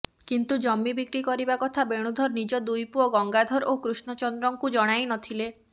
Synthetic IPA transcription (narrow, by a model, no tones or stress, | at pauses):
kint̪ud͡ʒɔmːibikɾikɔɾibakɔt̪ʰabeɽ̃ud̪ʱɔɾnid͡ʒɔd̪ujpuɔɡɔŋɡad̪ʱɔɾʔokɾusnɔt͡ʃɔnd̪ɾɔŋkud͡ʒɔɽ̃ajnɔt̪ʰile